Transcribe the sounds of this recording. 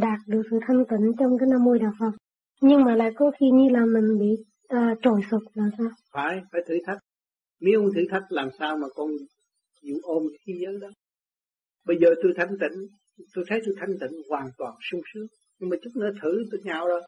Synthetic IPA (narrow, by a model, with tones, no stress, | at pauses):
ɗaː˨˩t̚ɗɨ˨˩ək̚sɨ̰˧˨t̪ʰa˧jŋ̟t̪i˧˩ŋ̟t͡ɕɔ˧wŋ͡mkaː˨˦jnaː˧mːo˧jɗaː˨˩w̚fə˨˩ŋ͡m | ɲɨ˧ŋmaː˨˩la̰ː˧˨jkɔ˨˦xi˧ɲɨ˧laː˨˩mï˨˩ŋ̟ɓḭ˧˨ | ʔəː˨˩t͡ɕo˨˩jsu˨˩t̚laː˨˩msaː˧wfaː˨˦jfaː˨˩˦jt̪ʰɨ˧˩t̪ʰa˦˥jk̚ | mi˨˦ho˧ŋt̪ʰɨ˧˩˦t̪ʰa˦˥jk̚laː˨˩msaː˧wmaː˨˩kɔ˧n | zṵ˧˩ʔo˧mki˧zəː˨˦jɗɔ˨˦ | ɓə˧jzəː˨˩t̪o˧jt̪ʰa˧jŋ̟t̪ḭ˧˩˦ŋ̟ | t̪o˧jt̪ʰə˨˦jt̪o˧jt̪ʰa˧jŋ̟t̪ḭ˧˨ŋ̟hwaː˨˩nt̪waː˨˩nsʊ˧ŋ͡msɨ˨˦ŋ | ɲɨ˧ŋmaː˨˩t͡ɕɨ˦˥k̚nɨ̰˧˦t̪ʰɨ˧˩˦t̪u˧˩ɲaː˧˩wɗo˧˦